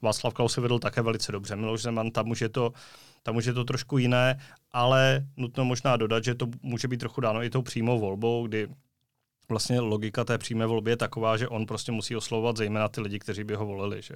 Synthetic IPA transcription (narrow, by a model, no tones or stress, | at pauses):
vaːt͡slafklawsɪvɛdl̩t̪akɛːvɛlɪt͡sɛdo̞br̝ɛmɪloʒzɛmant̪amuʃjɛt̪o̞ | t̪amuʃ̬jɛt̪̬o̞t̪ɾoʃkujɪnɛːʔalɛnut̪no̞mo̞ʒnaːdo̞dat̪ʒɛt̪o̞muːʒɛbit̪̚t̪ːɾoxudaːno̞ɪt̪o̞wpr̝̥iːmo̞wvo̞lbo̞wɡdɪ | vlast̪ɲɛlo̞ɡɪkat̪ɛːpr̥iːmɛːvo̞lbɪjɛt̪ako̞vaːʒɛʔo̞npɾo̞scɛmusiːo̞slavovat̪zɛjmɛːnat̪ɪlɪɟɪkt̪ɛriːbɪɦo̞vo̞lɪlɪ̰ʒ̥ɛ